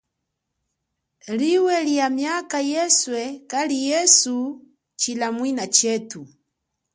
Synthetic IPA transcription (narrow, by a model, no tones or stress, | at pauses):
liwɛliamjakajɛswɛkalijɛsu | t͡ʃilamwinat͡ʃɛtu